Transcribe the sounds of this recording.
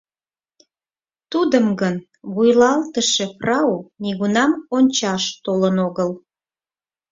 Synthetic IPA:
t̪ud̪əmɡən | βujlɑlt̪əʃe̽frɑoniɣunɑmonʲt͡ɕɑʃt̪olənoɣəl

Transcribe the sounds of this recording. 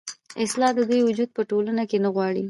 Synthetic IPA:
ɪslɑd̪əd̪ujwʊd͡ʒud̪̚pəʈolanakenaɣwɑɽi

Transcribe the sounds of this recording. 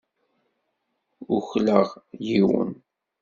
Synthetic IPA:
ʊçləʁjiwə̰n

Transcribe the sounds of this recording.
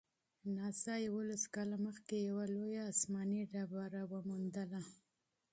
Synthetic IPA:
nɑsɑjawolaskɑlaməxkejawalojaːsmɑniɖabaɾawəmund̪əla

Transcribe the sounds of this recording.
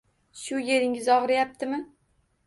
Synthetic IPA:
ʃʊje̞ɾɪŋɪzɒʁɾɪjap̚t̪ʰɪmɪ

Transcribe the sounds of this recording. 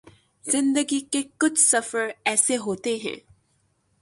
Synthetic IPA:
zɪ̃nd̪əɡikekʊt͡ʃʰsɐfəɾɛːseɦoːt̪eɦɛ̰̃ː

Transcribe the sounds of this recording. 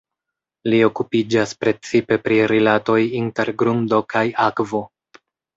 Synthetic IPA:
lio̞kupid͡ʒaspɾe̞t͡sipe̞pɾiɾilato̞jinte̞ɾɡɾundo̞kajakvo̞

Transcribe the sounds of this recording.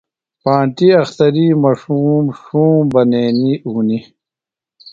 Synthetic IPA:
pãːɳʈiɐxt̪ɐɾiːmaʂuːmʂuːmbɐneːniuːni

